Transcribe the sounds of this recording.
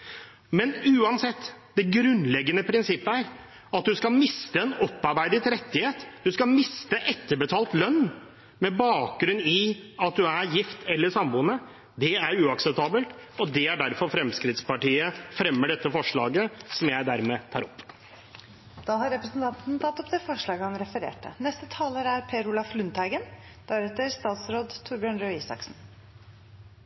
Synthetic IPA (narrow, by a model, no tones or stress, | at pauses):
mɛnʉːɑnsɛt̪ːd̪ɛɡɾʉnlɛɡːənəpʰɾɪnsɪpːəæɾ | ɑt̪̚d̪ʉskɑlmɪst̪əɛnɔpːɑɾbæɪd̪ɪt̪ɾɛt̪ːɪheːt̪d̪ʉskɑmɪst̪əʔɛt̪ːəɾbət̪ʰɑːlt̪lœnː | mɛbɑːk̚ɡɾʉnːɪɑt̪̚d̪ʉæɾjɪft̪ʰɛlːəʂɑmbuːnə | d̪ɛæɾʉːɑksɛp̚t̪ʰɑːbəlt̪ɔd̪ɛæɖæɾfɔɾfɾɛmskɾɪt̪spɑʈiːəfɾɛmːəɖɛt̪ːəfɔʂɭɑːɡəsɔmjæɪd̪æɾmɛt̪ʰɑ̰ːɾɔpː | d̪̥ɑːhɑɾɾɛpɾəsnt̪ʰɑnt̪n̩t̪ʰɑt̪ːɔpd̪ɛːfɔʂɭɑːɡəhɑnɾɛfəɾḛːʈə̰nɛst̪ət̪ʰɑːləɾæɾpʰeɾʊlɑflʉnt̪hæɪɡən | d̪̥æɾɛt̪əɾst̪ɑːt̪sɾoːd̪t̪ʰʊɾbjœːɳɾøːiːsɑ̰ksn̩